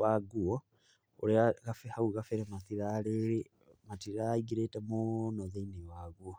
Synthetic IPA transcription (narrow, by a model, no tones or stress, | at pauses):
waɡuo | oleaɣafehauɣafeɾemaθiɾaleɾe | matiɾaiɡiɾetemonoðeinewaɣuo